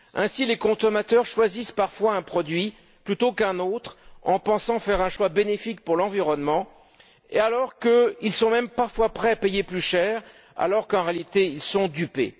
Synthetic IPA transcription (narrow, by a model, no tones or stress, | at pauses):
ɛ̃silekɔ̃sɔmat̪œʁʃwazispaʁfwaɛ̃pχɔd̪ɥi | plyt̪okɛ̃not̪χɑ̃pɑ̃sɑ̃fɛʁɛ̃ʃwabenefik̚puʁlɑ̃viʁɔnmɑ̃ | ḛalɔʁkəilsɔ̃mɛmpaʁfwapχɛapejeplyʃɛʁ | a̰lɔʁkɑ̃ʁealit̪eilsɔ̃d̪ypḛ